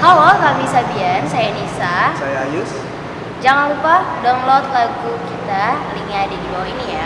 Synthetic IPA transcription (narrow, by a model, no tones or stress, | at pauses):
halokamisabiansajanisasajaajʊs | d͡ʒaŋanlupadɔnlot̪̚laɡukit̪aliŋadidibawainija